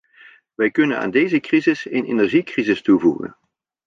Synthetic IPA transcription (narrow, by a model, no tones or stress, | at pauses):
ʋɛjkɵnəna̰ːndejzəkrizɪseːnenɛɹʒikrizɪstuvuɣə̰n